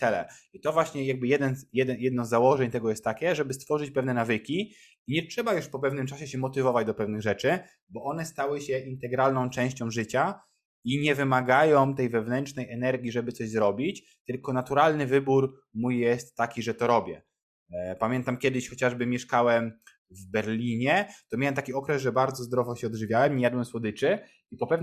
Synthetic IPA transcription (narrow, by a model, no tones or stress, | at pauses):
t̪ɛlɛ̰it̪ɔvwaɕɲɛjaɡ̚bɘjɛd̪ɛnjɛd̪ɛnjɛd̪nɔzːawɔʐɛɲt̪ɛɡɔjɛst̪ːakʲɛʐɛbɘst̪fɔʐɘt͡ɕpɛvnɛnavɘkʲi | iɲɛtʂɛbajuʂpɔpɛvnɘmt͡ʂaɕɛɕɛmɔt̪ɘvɔvad͡ʑd̪ɔpɛvnɘɣʐɛt͡ʂɘ | bɔʔɔnɛst̪awɘɕɛʔint̪ɛɡɾalnɔ̃w̃t͡ʂɛ̃w̃ɕt͡ɕɔ̃w̃ʐɘt͡ɕa | iɲɛvɘmaɡajɔ̃w̃t̪ɛjvɛvnɛnt͡ʂnɛjʔɛnɛɾɡʲiʐɛbɘt̪sɔʑzɾɔbʲit͡ɕ | t̪ɘlkɔnat̪uɾalnɘvɘbuɾ | mujjɛst̪ːakʲiʐɛt̪ɔɾɔbʲjɛ | pamʲjɛnt̪amkʲjɛd̪ɘɕxɔt͡ɕaʐbɘmʲjɛʂkawɛm | vbɛɾlʲiɲɛt̪ɔmʲjawɛmt̪akʲiɔkɾɛzʐɛbaɾd̪zɔzd̪ɾɔvɔɕɛɔd̪ʐɘvʲjawɛmɲɛjad̪wɛmswɔd̪ɘt͡ʂɘ | ipɔpɛ